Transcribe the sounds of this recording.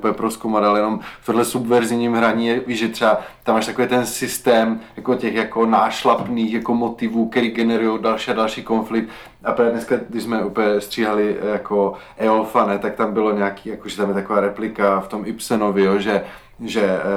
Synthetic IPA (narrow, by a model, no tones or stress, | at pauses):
upəɛpɾoskowmat̪alɛjɛno̞mft̪odɦlɛsubvɛɾzɪvɲiːmɦɾaɲiːjɛviʒɛt̪r̥ɛat̪amːaːʃt̪akoviːt̪ɛnsɪst̪ɛːmjakocɛxjakonaːʃlapniːxjako̞mot̪ɪvuːk̚t̪ɛɾiːɡɛnɛɾujowdalʃiːadalʃiːkonflɪk̚t̪ | apɾaːvɛdnɛskaɡdɪʒzmɛʔupəjɛst̪r̝̥iːɦalɪjakʰoʔɛolfanɛt̪ak̚t̪ambɪlo̞ɲɛakiːjakoʒɛt̪amjɛt̪akovaːɾɛplɪkaft̪omɪpsɛnovɪjoʒɛ | ʒɛ